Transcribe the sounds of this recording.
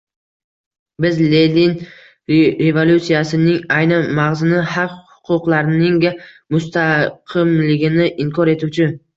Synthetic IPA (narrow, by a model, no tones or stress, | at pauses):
bɪzle̞lin | ɾe̞volʲut̪sijasɪnɪŋajnanmaʁzɪnɪhɑqhʊ̥qʰʊqlˠaɾnɪŋɡʲa | mʊst̪ʰaqʰɨmlɪɡʲɪnɪʔɪŋkʰɒɾe̞t̪ʰut͡ʃʰɪ